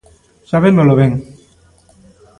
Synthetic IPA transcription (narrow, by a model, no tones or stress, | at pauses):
saβenoloβeŋ